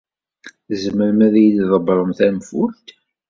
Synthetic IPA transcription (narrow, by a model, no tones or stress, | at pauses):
zəməɾmæðæjlðˤəbɾˤəmθænfult̪